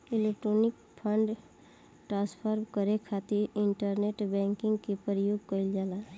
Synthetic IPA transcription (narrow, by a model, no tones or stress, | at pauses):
ɪlek̚ʈɾonɪk̚ | pʰəɳɖ | ʈɾãspʰəɾbkəɾekʰat̪iɾɪɳʈəɾneʈbɛ̃ŋkɪ̃ŋɡkepəɾjoːɡ̚kəɪld͡ʒala